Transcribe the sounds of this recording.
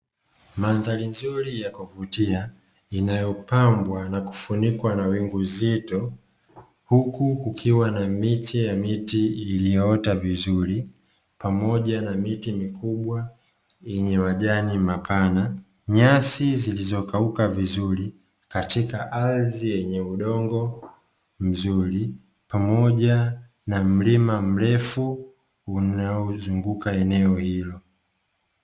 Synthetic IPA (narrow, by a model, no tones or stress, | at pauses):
manðalinzuɾijakuvutia | inajɔpambwanaku̥funikwanawiŋɡuzitɔ | hukukukʰiwanamitijamitiːlijɔɔtavizuɾi | pamɔʄanamitimikuɓwa | ɛɲɛwaʄanimapʰana | ɲasizilizɔkaukavizuɾi | katikaʔalzijɛɲɛuɗɔŋɡɔ | m̩zuɾi | pamɔʄa | nam̩limam̩ɾɛfu | unaɔzuŋɡukaɛnɛɔhilɔ